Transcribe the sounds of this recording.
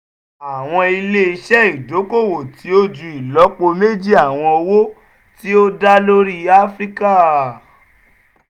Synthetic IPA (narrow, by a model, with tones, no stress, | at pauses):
a˨w̃ɔ̃˧i˧le˦i˧ʃɛ˦i˦˨do˨˦ko˦˨wo˨tʰi˨˦o˦d͡ʒu˧i˨lɔ˨˦k͡po˧me˦d͡ʒi˦a˦˨w̃ɔ̃˧o˧wo˦ | ti˦o˦da˦lo˦ɾi˦a˦fɾi˦ka˦˨